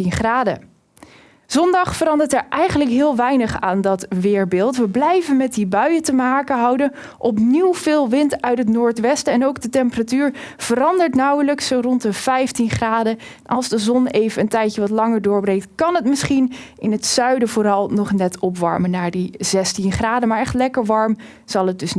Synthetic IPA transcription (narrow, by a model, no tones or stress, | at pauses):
inχraːdə̰ | z̥ɔndɑχfəɾɑndəɹtɛɹʔɛjχənləkɦɪːlˠʋɛjnəχa̰ːndɑtʋɪːɹbɪːlˠtʋəblɛjvənmɛt̚dibœɥətəmaːkənɦɑwdən | ʔɔp̬niwv̥ɪːlˠʋɪntœɥtɦətnʊːɹtʋɛstəɛnowɡ̚dətɛmpəratyːɹv̥əɾɑndəɹtnɑwələksowrɔntəv̥ɛjftinχraːdə | ʔɑlˠzdəzɔnejvənəntɛjtəʋɑtlɑŋəɹdʊːɹbrejk̚tkɑnətmɪsχin | ɪnətsœɥdəvoːɾɑlˠnɔχnɛtɔpʋɑ̰ɹmənaːɹdizɛstinχraːdəmaːɹɛχtlɛkəɹʋɑɹm | z̥ɑlˠət̚dɵs